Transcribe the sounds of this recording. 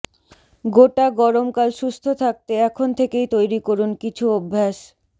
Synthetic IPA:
ɡoʈaɡɔɾomkalʃust̪ʰot̪ʰak̚t̪eɛkʰont̪ʰekejt̪ojɾikoɾunkit͡ɕʰuobʱːaʃ

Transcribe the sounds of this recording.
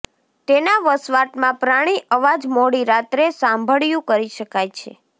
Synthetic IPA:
t̪enaʋəsʋaʈmãpɾaɽ̃iʔəʋad͡ʒmoɽiɾat̪ɾesãmbʱəɭjũkəɾiʃəkajt͡ʃʰḛ

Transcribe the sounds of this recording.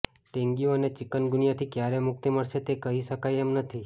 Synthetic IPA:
ʈẽŋɡioənet͡ʃɪkənɡʊnijat̪ʰikjaɾemʊk̚t̪iməɽʃet̪ekəɦiʃəkajemnət̪ʰi

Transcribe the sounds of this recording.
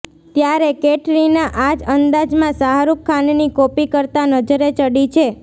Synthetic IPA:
t̪jaɾekeʈɾinaʔad͡ʒənd̪ad͡ʒmãsaɦaɾukʰːannikopikəɾt̪anəd͡ʒəɾet͡ʃəɽit͡ʃʰe

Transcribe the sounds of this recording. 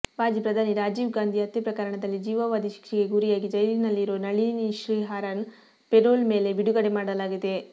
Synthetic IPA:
ʋaːd͡ʒipɾɐd̪ʱaːniɾaːd͡ʒiːʋɡaːnd̪ʱiɐt̪jɐpɾɐkɐɾɐɳɐd̪ɐlːid͡ʒiːʋɐʋaːd̪ʱiʃi̥kʂiɡe̞ɡuːɾijaːɡid͡ʒɐjlinɐlːiɾoːnɐɭiːniʃɾiːɦaːɾan | peʈɾoːlme̞ːle̞biɽuɡɐɽemaːɽɐlaːɡid̪e̞

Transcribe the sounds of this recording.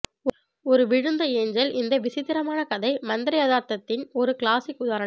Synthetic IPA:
ɔɾɯʋɪɻɯnd̪ɐeːɲd͡ʒɐlʔɪnd̪ɐʋɪsɪt̪ːɪɾɐmaːnɐkɐðɐɪmɐnd̪ɪɾɐɪjɐðaːɾt̪ɐt̪ːɪnɔɾɯkɪɭaːsɪkːʊðaːɾɐɳɐ

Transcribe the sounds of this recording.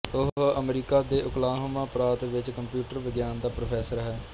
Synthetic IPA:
ʊɦəmɾiːkaːd̪eːʔʊklaːɦmãːpɾaːt̪ʋɪt͡ʃkəmpjuːʈəɾʋɪɡjaːnd̪aːpɾoːpʰɛːsəɾɦɛː

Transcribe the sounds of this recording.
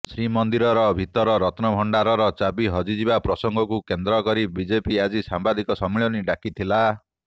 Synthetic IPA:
sɾimɔnd̪iɾɔɾɔbʱit̪ɔɾɔɾɔt̪nɔbʱɔɳɖaɾɔɾɔt͡ʃabiɦɔd͡ʒid͡ʒibapɾɔsɔŋɡʱɔkukend̪ɾɔkɔɾibid͡ʒepiad͡ʒisambad̪ikɔsɔmiɭɔniɖakit̪ʰila

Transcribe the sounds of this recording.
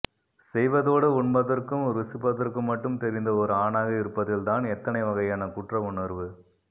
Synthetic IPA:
sɛjʋɐðoːɽɯʊɳbɐðɐrkɯmɾɪsɯpːɐðɐrkɯmːɐʈːɯmt̪ɛɾɪnd̪ɐɔɾɯaːnaːɣɐɪɾɯpːɐðɪlt̪aːnɛt̪ːɐnɐɪʋɐɣɐjaːnɐkʊʈrɐʊɳɐɾʋɯ

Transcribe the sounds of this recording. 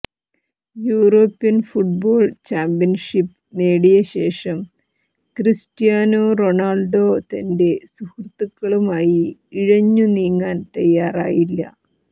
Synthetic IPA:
juːro̞ːpːijɐnfuʈ̚bo̞ːɭt͡ɕaːmpijɐnʂipː | meːɽijɐɕe̞ːʂɐm | kristijaːnoːro̞naːɭɖo̞ːt̪ɐnde̞suhrt̪ːukːɐɭumaːjiiɻɐɲːuniːŋːaːnt̪ɐjːaːra̰ːjilːɐ̰

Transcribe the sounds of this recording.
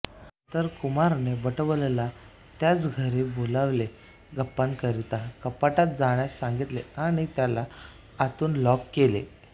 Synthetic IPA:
t̪əɾkumaɾnebəʈəʋlla | t̪jat͡sɡʱəɾebolaʋle | ɡəpːankəɾit̪akəpːaʈat̪̚d͡zaɳjassãŋɡit̪leaɽ̃it̪jalaː | t̪uːnlɔkːelḛ

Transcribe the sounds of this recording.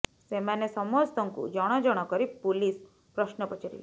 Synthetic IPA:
semanesɔmɔst̪ɔŋkṵd͡ʒɔɽ̃ɔd͡ʒɔɽ̃ɔkɔɾipulis | pɾɔʃnɔpɔt͡ʃiɾḭli

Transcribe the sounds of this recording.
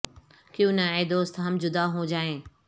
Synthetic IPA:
kijũnãed̪oːst̪ɦɐmd͡ʑʊd̪aɦũːd͡ʑaːẽː

